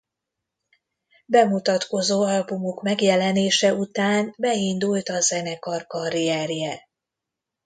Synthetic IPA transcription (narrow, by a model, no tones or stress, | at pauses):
bɛmut̪ɒt̪ko̞zoːɒlbumokmɛɡjɛlɛneːʃɛut̪aːnbɛind̪ult̪ɒzɛnɛkɒrkɒɾiɛrjɛ